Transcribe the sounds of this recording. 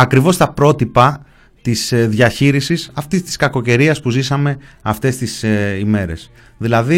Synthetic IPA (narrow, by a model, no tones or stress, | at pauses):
ɐkɾivo̞st̪ɐpɾo̞t̪ipɐ | t̪isðʝɐçiɾisisɐft̪ist̪i̥skɐko̞ce̞ɾiɐspuzisɐme̞ɐft̪e̞st̪isime̞ɾe̞s | ðilɐði